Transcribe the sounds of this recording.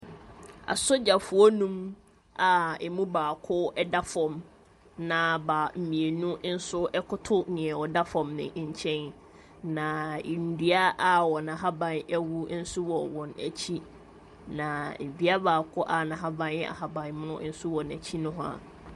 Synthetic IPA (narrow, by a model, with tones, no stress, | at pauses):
a̰˨sʊ˦d͡ʑa˨fʊ˨ɔ˦nũ˦m | a˨ɛ˨mũ˦baː˨kʰʊ˦ɛ˦da˦fɔ̃˨m | nã˨ba˨m̩˨mĩ˨e˨nũ˦n̩˦sʊ˦ʔɛ˦kʰʊ˦tʰʊ˦nɪ̃˨ɛ˨wɔ˨da˦fɔ̃˨mnɪ̰̃˨˦ɲ̩˨t͡ɕʰɛ̃˦n | nã˨n̩˨di˦a˦ʔa˦wɔ˨nã˨ɦa˦bã˨nɛ˦wu˦n̩˦sʊ˦wɔ˨wɔ̃˨næ̰˨t͡ɕʰi˦ | nã˨m̩˨bi˦a˦baː˨kʰʊ˦ʔa˨nã˨ɦa˦bã˦n˦a̰˨ɦa˨bã˨ɲ˦m˦nʊ̃˦n̩˦sʊ˦wɔ˨næ̰˨t͡ɕʰi˦nʊ̃˦ɦʊ̃˦a̰˨